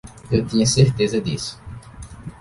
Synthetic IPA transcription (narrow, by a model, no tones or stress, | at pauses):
ewt̪ĩɲɐseɾt̪ezɐd̪ḭsʊ̥